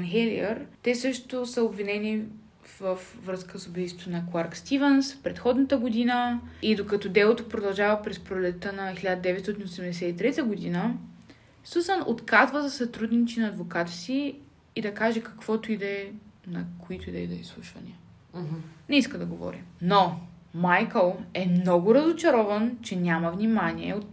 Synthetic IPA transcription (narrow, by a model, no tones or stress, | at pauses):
nxɛliəɾt̪ɛsɤʃt̪osəobvinɛni | fvɐfvɾɤskəsobist̪vot̪onɐklˠaɾkst̪ivɛnsfpɾɛt̪xɔd̪nət̪əɡod̪inəid̪okɐt̪ɔd̪ɛlˠot̪opɾod̪ɐlˠʒavəpɾɛspɾolɛt̪ənɐxilʲad̪əd̪ɛvɛt̪st̪ɔt̪inosɛmd̪ɛsɛt̪it̪ɾɛt̪əɡʊd̪inə | susənot̪kazvəzɐsɐt̪ɾud̪nit͡ʃinɐːd̪vokat̪ə̥siː | d̪ɐkaʒɛkɐ̥kv̥ɔt̪ʊid̪ɛnɐkʰoit̪ʊid̪ɛid̪ɛislˠuʃvɐ̰nḭə | nɛiskəd̪ɐɡovɔ̰ɾḭno | majkəlˠɛmnɔɡʊɾəzot͡ʃɐɾɔvənt͡ʃɛnʲaməvnimaniɛ̰ot̪